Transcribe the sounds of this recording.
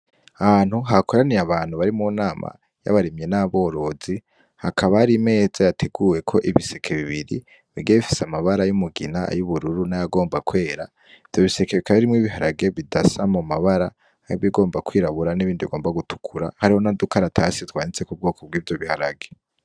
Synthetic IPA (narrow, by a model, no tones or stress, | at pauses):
ahaːn̥huɦakoɾanijaβaːn̥huβaɾimunaːma̰ | ja̰βaɾemje̞naβo̞ːɾo̞zi | hakʰaβaaɾime̞ːzajatʰe̞ɡuːje̞kʰo̞ʔiβisekʰe̞βiβiɾi | βiɡeβifi̥samaβaɾajumuɡḭnaa̰juβuɾuɾunajaɡo̞ːmbakwe̞ːɾa | iv̥jo̞βiseke̞βikaβiɾimŋiːβiɦaɾaɡe̞βidasamumaβaɾaː | joβiɡo̞ːmbakwiːɾaβuɾaniβiːndiβiɡoːmbaɡutʰu̥kʰuɾa̰haɾiho̞nadukaɾatʰasitwaːnit͡se̞kub̚ɡo̞ːko̞b̚ɡiːvjo̞βihaɾaɡe̞